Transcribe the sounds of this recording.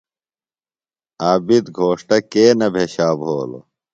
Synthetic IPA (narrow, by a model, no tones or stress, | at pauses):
aːbid̪ɡʱoːʂʈɐkeːnɐbʱeɕaːbɦoːlo̰